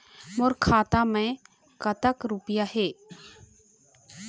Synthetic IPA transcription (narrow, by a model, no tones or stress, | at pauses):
mʊɾkʰaːt̪amẽ | kət̪əkɾʊpɪjaheː